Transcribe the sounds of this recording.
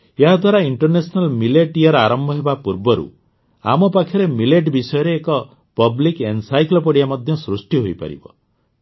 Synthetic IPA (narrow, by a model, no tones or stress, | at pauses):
eɦad̪ʱwaɾaiɳʈɔɾnesɔnalmileʈiɔɾaɾɔmbʱɔɦebapuɾbɔɾṵ | a̰mɔpakʰjɔɾemileʈbisɔjɔɾeːkɔ | pɔblikensajklɔp̬ɔɽijamɔd̪ʱjɔsɾusʈiɦojpa̰ɾḭbɔ̰